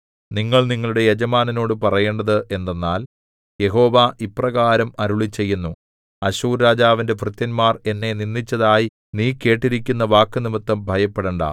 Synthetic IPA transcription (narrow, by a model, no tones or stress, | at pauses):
niŋːɐɭniŋːɐɭuɽe̞jed͡ʑɐmaːnɐno̞ːɽɨpɐrɐje̞ːɳɖɐðɨʔe̞nːenːaːl | je̞ɦo̞ːʋaːʔiprɐɣaːɾɐmɐɾuɭit͡ɕːe̞jːunːu | ɐɕuːɾːaːd͡ʑaːʋinde̞frɨt̪jɐnmaːre̞nːe̞ninːit͡ɕːɐðaːji | niːke̞ːʈːiɾikʲːunːɐʋaːkːɨnimɨt̪ːɐmbʱɐjɐpːeɽeɳɖa̰ː